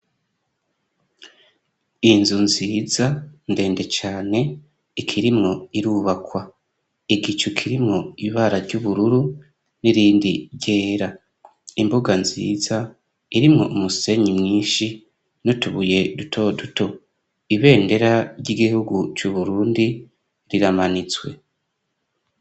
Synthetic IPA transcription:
inzunziːzande̞ːnde̞t͡ʃaːne̞ː | kʰiɾimŋo̞iɾuβakwa | iɡit͡ʃukʰiɾimŋo̞iβaɾaɾɟuβuɾuɾu | niɾiːndiɾɟe̞ːɾa | imbuɡanzḭːza | iɾimŋo̞ʔumuse̞ɲimŋiːʃi | notuβuje̞dutʰo̞duto̞ | iβe̞ːnde̞ɾaɾɟiɡihuɡut͡ʃuβuɾuːndi | ɾiɾamanit͡swe

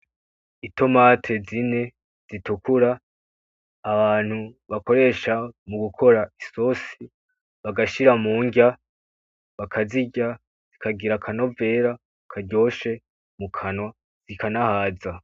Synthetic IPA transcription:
ito̞matʰe̞zine̞ | z̥itukʰuɾa | βaːn̥huβako̞ɾe̞ʃamuɡukʰo̞ɾaiso̞si | βaɡaʃiɾamuːŋɡa | βakʰaziɟa | z̥ikʰaɡiɾakʰano̞ve̞ːɾa | kʰaɟo̞ːʃe̞ | mukʰanwa | z̥ikʰanahaːza

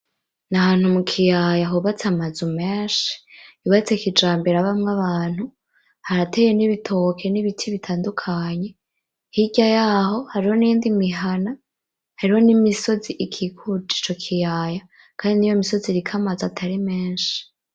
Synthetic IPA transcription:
naɦaːn̥humukʰijajaɦuβat͡samazumeːnʃi̥iβat͡sekid͡ʒaːmbeɾaβamŋaβaːn̥hu | haɾateje̞niβitʰo̞kʰe̞niβitʰiβitʰaːndukʰaɲe̞ | hiɟajaːho̞haɾiho̞nijiːndimiɦana | haɾiho̞nimiso̞ziʔikʰikʰud͡ʒi̥t͡ʃo̞kʰijaːja | kʰaːndinijomiso̞ziɾikʰamazatʰaɾime̞ːnʃi̥

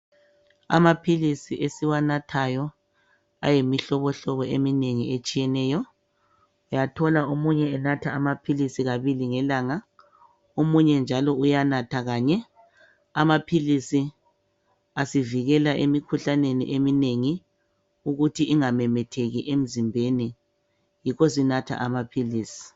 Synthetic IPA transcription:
a̰mapʰilisiʔesiwanatʰajɔ | a̰jemiɬɔβɔɬɔβɔemineŋiet͡ʃʼijɛnɛːjɔ | ujatʰɔlaomuɲɛɛnatʰaːmapʰilisiɣaβiliŋɛlaːŋa | omuɲɛnd͡ʒʱalɔujanatʰaɣaːɲɛ | amapʰilisi | asiviɣɛlaʔemikʰuɬanenḭʔemineŋi | uɣutʰiʔiŋamɛmɛtʰeɣiʔem̩zimbʱeni | jikɔs̬inatʰa̰ʔamapʰiliːsi̥

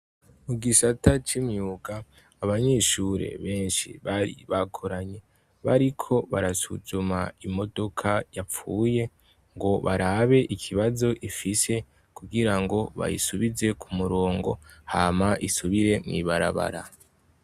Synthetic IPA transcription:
muɡisatat͡ʃimɲjuːɡaː | βaɲe̞ːʃuːɾe̞̰βe̞ːnʃḭβaɾḭβakʰoɾaɲe̞ | βaɾikʰo̞βaɾasuzumaimo̞do̞kʰajap͡fuːje̞ | ŋɡo̞βaɾaβe̞ʔikʰiβazo̞ʔifise̞ | kuɡiɾaŋɡo̞βa̰jḭsuβize̞kʰumuɾo̞ːŋɡo̞̰haːmaʔisuβiɾe̞ŋḭβaɾa̰βa̰ɾa̰

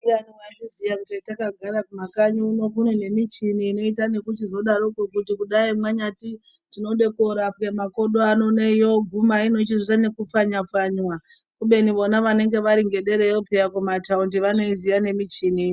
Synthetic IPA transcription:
animwaʐizijakutaitakaɡʱaɾakumakaɲuːno̞kunene̞mit͡ʃiniːno̞itane̞kut͡ʃizo̞ɗaɾokukutikuɗaimwaɲati | tino̞ɗe̞koɾafkemako̞ɗo̞ano̞nejo̞ɡʱumaino̞t͡ʃizitane̞kup͡faɲafaɲwa | kuɓe̞niʋo̞naʋane̞ŋɡe̞ʋaɾiŋɡe̞ɗe̞ɾejopejakumataundiʋano̞izijane̞mit͡ʃini

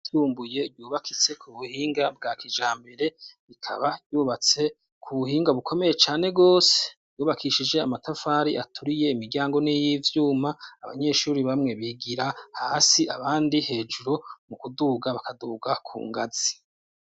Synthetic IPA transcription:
tuːmbuje̞ɾjuːβakʰit͡se̞kʰuβuhiːŋɡabɡaːkʰid͡ʒaːmbe̞ɾe̞ | ikʰa̰βaɟuːβat͡se̞ | kʰuβuhiːŋɡaβukʰo̞me̞je̞t͡ʃaːne̞ɡo̞ːse̥ | juːβakʰiʃid͡ʒe̞amatʰafaːɾiʔatʰuɾije̞imiɾɟaːŋɡo̞nijivjuːmaːβa̰ɲe̞ʃuɾiβamŋe̞βiːɡiɾahaːsiaβaːndihe̞ːd͡ʒuɾo̞mukuduːɡaβakaduːɡakʰṵːŋɡaz̥i

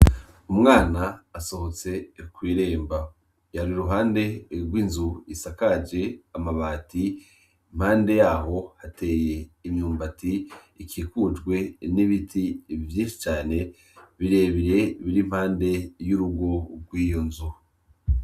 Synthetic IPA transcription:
umŋaːnaːso̞ho̞t͡se̞kwiːɾe̞ːmba | jaɾiɾuɦaːnde̞ɾɡwiːnzuisakad͡ʒe̞amaβaːtʰi | im̥haːnde̞jaːho̞hate̞ːje̞imɲuːmbatiː | kʰiːkud͡ʒɡwe̞niβitʰivjiːnʃit͡ʃaːne̞ | βiɾe̞ːβiɾe̞βiɾim̥haːnde̞juɾuɡo̞ɡwiːjo̞nzu

